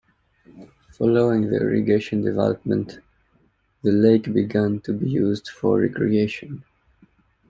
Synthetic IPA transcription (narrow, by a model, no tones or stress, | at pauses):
fɔloʊɪ̃ŋðə̰ɪ̰ɹɪ̰ɡeɪʃə̃ndɛvɛ̰lɔp̚mə̃nt | ðəleɪkbɪɡæ̃ntʰubijuːzd̥fɔ˞ɹɛ̰kɹieɪʃə̃n